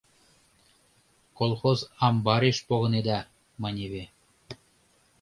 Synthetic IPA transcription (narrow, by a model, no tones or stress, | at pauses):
kolˠxozɑmbɑɾʲeʃpoɣɤ̆ned̪ɑ | mɑnʲeβʲe